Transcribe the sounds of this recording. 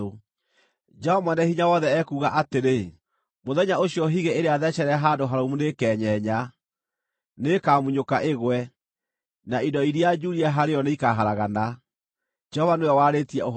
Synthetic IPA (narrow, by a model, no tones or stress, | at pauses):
o | d͡ʒɛɔmwɛnɛhiɲawɔðɛɛkuːɣaʔateɾe | moðɛɲaoɕjɔɦiɣeeɾeaðɛɕɛɾɛɦadoɦaɾomunekɛːɲɛɲa | nekaːmuɲokaʔeɣwɛ | naidɔiɾiad͡ʒuɾiaɦaɾeɔneikaɦaɾaɣana | d͡ʒɛhɔvanojɛwaːɾetiɛo